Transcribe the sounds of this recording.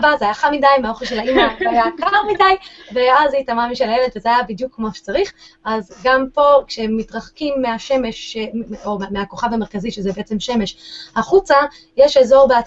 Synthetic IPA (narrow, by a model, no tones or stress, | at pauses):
bazeajaχamidajmeaoχelʃelaimavajakaʁmidajveazitamamiʃelajeled̪vezeajabidjukːmoʃe̥t͡saʁiχ | azɡampo̞kʃeemːitʁaχkimːeaʃeme̞ʃeomeako̞χavhameʁkaziʃezebeʔet͡se̞mʃe̞me̞ʃhaχut͡sa | jeʃeːzo̞ʁbea